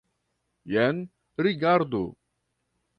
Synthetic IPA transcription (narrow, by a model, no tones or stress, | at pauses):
jɛn | ɾiɡaɾd̪ṵ